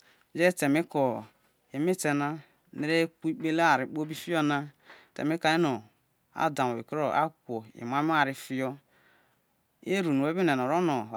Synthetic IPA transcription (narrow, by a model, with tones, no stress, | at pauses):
d͡ʒe˦˨te˨mi˦ko˨ | e˨mi˦te˨na˦ | ne˨ɾe˦ku˦i˦k͡pe˦le˦a˨ɾi˨k͡po˦bi˦fi˦jo˦na˦˨ | tḛ˨mi˦ka˨e˦no˨ | a̰˦da˨m˨o˨i˨kɾo˦˨ʔa̰˦kʷo˨ḭ˨m˨a˦a˨ɾi˦fi˦jɔ˦ | e˦ɾu˨nu˨e˦bi˦ne˨no˨ɾo˦no˨